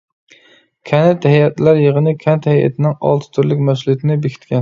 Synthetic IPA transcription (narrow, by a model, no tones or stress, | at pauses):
kʲʰɛnɛt̪hɛjɛt̪læɾjəʁənɨkʲʰɛnt̪hɛjɛ̰t̪ʰɪnɪŋɑ̰lˠt̪ʰɪ̥t̪ʰyɾlɪkʲmɛs̬lˠujt̪ʰɪnɪbekʰʲi̥t̪kʲʰɛn